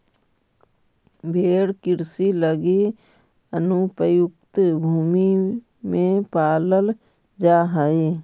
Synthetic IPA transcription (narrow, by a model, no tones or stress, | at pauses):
bʱeːɽkɪɾsiləɡe | ənupɾəjʊkt̪bʱuːmi | mẽpaːləl | d͡ʒaːɦəe